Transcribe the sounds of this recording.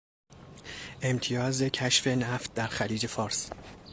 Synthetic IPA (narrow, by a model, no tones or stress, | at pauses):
ʔe̞mt̪ʰijɒːze̞cʰæʃfe̞næft̪̚d̪æɾxæliːd͡ʒe̞fɒːɾs